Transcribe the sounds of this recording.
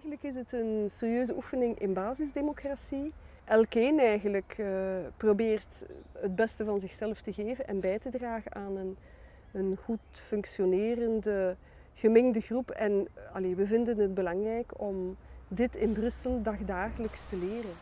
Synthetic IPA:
ɣənləkɪsətənserjøːzəʔufənɪŋʔɪ̰nbaːzɪzdemokrasi | ʔɛlˠkeːnɛjɣənləkəprobeːrtɦəd̚bɛstəvɑnzɪxsɛlˠftəɣeːvənʔɛnbɛjtədraːɣəʔaːnən | ənɣutfɵŋksjoneːrəndə | ɣəmɪŋdəɣrupɛnɑleʋəvɪndənɦəd̚bəlɑŋrɛjkɔmdɪtɪnbrɵsəlˠdɑɣdaːɣələkstəleːrən

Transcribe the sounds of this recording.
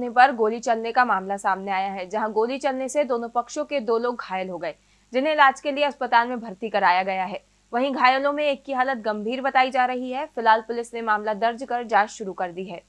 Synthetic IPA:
nepɐɾɡoːlit͡ʃɐlnekamaːmlasaːmneaːjaɦɛd͡ʒɐɦãɡoːlit͡ʃɐlnesed̪oːnõpɐkʃõked̪oːloːɡɡʱaːjəlɦoɡɐeː | d͡ʒɪnɦẽɪlaːd͡ʒkelieɐspət̪aːlmẽbʱɐɾt̪ikɐɾaːjaɡɐjaɦɛː | ʋɐɦĩɡʱaːjəlõmẽeːkːiɦaːlət̪̚ɡɐ̃mbʱiːɾbɐt̪aːid͡ʒaːɾɐɦiɦɛfɪlaːlpʊlɪsnemaːmlad̪ɐɾd͡ʒkɐɾd͡ʒaːt͡ʃʃʊɾukɐɾd̪iɦɛː

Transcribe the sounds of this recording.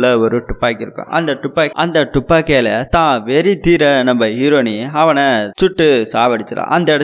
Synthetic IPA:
lɐɔɾɯʈʊpːaːkːɪɾɯkːʊ̰̃ʔɐ̰nd̪ɐʈʊpːaːʔɐnd̪ɐʈʊpːaːkeːlɐt̪ãːʋɛɾit̪iːɾɐnɐmbɐɦiːɾoːniɐʋɐnɐt͡ʃʊʈːɯsaːʋɐɽɪt͡ʃːɐlã̰ːʔɐnd̪ɐɪɽɐ

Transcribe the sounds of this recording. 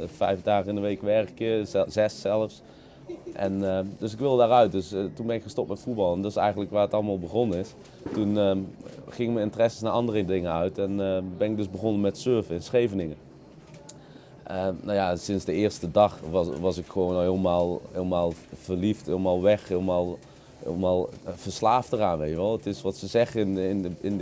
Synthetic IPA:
fɛjvdaːχənɪnəʋejkʋɛɹkjəzɛsɛlˠəfs | ʔɛnədøsɪkʋɪlˠdədaːɹœɥt̚dɵstunbɛnɪkχəstop̚tmɛtfut̚bɑlˠɛndɑtɪsɛ̰jχən̩tləkʋaːətɑləmaːlˠbəχɔnənɪs | tun | χɪŋɪkmənɪntərɛsə̥snaːʔɑndərədɪŋənœɥtɛnbɛnɪɡ̚dɵzbəɣonəmɛtsøɹvəɪnsχejvənɪŋə | ʔənawjasɪnzdəɪːɹstədɑχʋɑsɪkχəʋownɦɪːlˠmaːlˠɪːlˠmaːlˠv̥ərlifthɪːləmaːlˠʋɛxɦɪːlˠmaːlˠ | ɪ̰ːlˠmaːlˠv̥əɹslaːftəraːnʋejtjəʋɛlˠətɪsʋɑtsəzɛχəɪnɪnəɪn

